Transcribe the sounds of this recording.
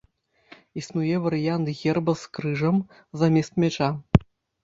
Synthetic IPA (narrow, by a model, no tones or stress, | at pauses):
isnujɛvɐɾɨjant̪ɣʲɛrbɐskrɨʐɐm | zɐmʲɛst̪̚mʲɛt͡ʂa